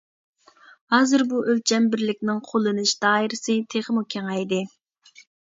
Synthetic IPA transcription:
hɑːzɨɾbuʔølt͡ʃʰɛmbɪɾlɪk̚ʲnɪŋqʰolˠɨnɨʃd̪̥ɑːɪɾɪsɨt̪ʰeχəmukʲʰeŋɛjd̪ɪ

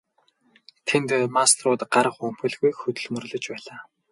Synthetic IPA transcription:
t̪ʰent̪mast̪rʊːt̪ɢaɾə̆χɵm̥xɵ̆ɮɣujxɵt̪ɵ̆ɮmɵ̆rɮɵ̆t͡ɕpæːɮaː

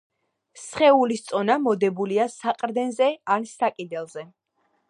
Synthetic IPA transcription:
sχɛulist̪sʼɔnamɔd̪ɛbuliasaqʼɾd̪ɛnzɛansakʼid̪ɛlˠzɛ

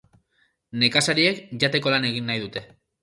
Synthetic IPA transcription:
ne̞kasaɾie̞kʝat̪e̞ko̞lane̞ɣ̞inːajðut̪e̞

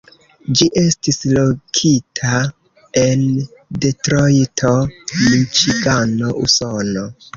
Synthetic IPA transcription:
d͡ʒiʔe̞stislokʰitʰa | e̞nde̞tɾojtʰo̞mit͡ʃikano̞ʔṵsono

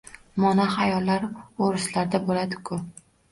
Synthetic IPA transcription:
mɒnahajɒlːaɾoɾɪslaɾd̪abolad̪ɪkʰʊ

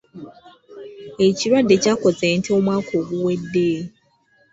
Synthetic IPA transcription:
et͡ʃiɾwadet͡ʃakɔzen̩tomwakʰoɡuwedːeː

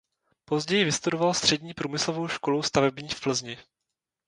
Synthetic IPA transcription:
po̞zɟɛjɪvɪst̪udovalst̪r̝̥ɛdɲiːpɾuːmɪslovo̞wʃkoluwst̪avɛbɲiːfpl̩zɲɪ

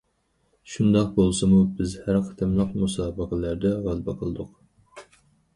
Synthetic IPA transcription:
ʃund̪ɑq̚bolˠsɨmubɪzhæɾqʰə̥t̪ʰɨmlˠəqmusɑːbəqʰəlæɾd̪ɛʁælbɛqʰəlˠɨd̪ʊq

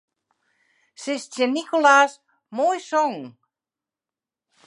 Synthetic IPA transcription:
sɪst͡ʃenikolas | mojsɔŋ

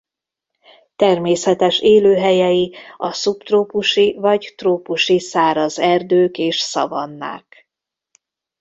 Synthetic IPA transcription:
t̪ɛrmeːsɛt̪ɛʃeːløːɦɛjɛjiɒsupt̪roːpuʃivɒɟt̪roːpuʃisaːɾɒzɛrd̪øːkeːʃsɒ̰vɒnːa̰ːk

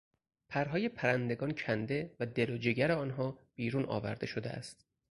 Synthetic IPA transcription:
pʰæɾɦɒːje̞pʰæɾænd̪e̞ɡɒːncʰænd̪e̞væd̪e̞lod͡ʒeɟæɾeɒːnɦɒːb̥iːɾuːnɒ̰ːvæ̰ɾd̪e̞ʃod̪eʔæ̰st̪

